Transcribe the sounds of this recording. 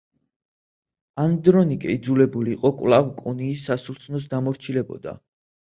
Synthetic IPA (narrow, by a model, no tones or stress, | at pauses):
and̪ɾɔnikʼɛid̪zulɛbuliːqʼɔkʼvlˠavkʼɔniːsːasulˠt̪sʰnɔs̬d̪amɔɾt͡ʃʰilɛbɔ̰d̪a̰